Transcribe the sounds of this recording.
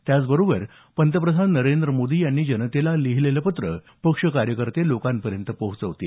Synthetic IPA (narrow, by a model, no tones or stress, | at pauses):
t̪jat͡sbəɾobəɾ | pənt̪əpɾəd̪ʱad̪nəɾend̪ɾəmod̪iːjanːiːd͡ʑənət̪elaliɦileləpət̪ɾə | pəkʂəkaɾjəkəɾt̪elokãmpəɾjənt̪əpəɦut͡səʋt̪e